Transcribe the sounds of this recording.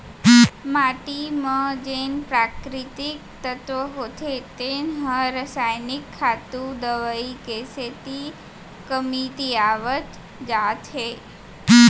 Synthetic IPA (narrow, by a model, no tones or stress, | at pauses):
maʈimãd͡ʒenpɾakɾit̪ik̚t̪ət̪ʋəɦot̪ʰet̪enɦəɾəsajnikʰːat̪ud̪əʋəikeset̪i | kəmit̪iaʋət̪ | d͡ʒat̪ɦe